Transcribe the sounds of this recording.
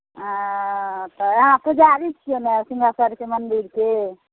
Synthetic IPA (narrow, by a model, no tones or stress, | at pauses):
ã | t̪əɦãpʰəd͡ʒaɾit͡ʃʰijonesiŋɡʱasaɾkemənd̪iɾke